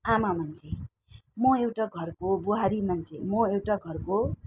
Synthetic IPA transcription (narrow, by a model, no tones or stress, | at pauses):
amamʌnt͡sʰe | mʌewʈaɡʱʌrkobuɦaɾimʌnt͡sʰemʌewʈaɡʱʌrko